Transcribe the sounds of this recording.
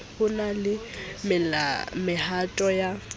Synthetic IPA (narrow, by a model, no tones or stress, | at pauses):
hʊnalɪmɪmɪhatʼɔja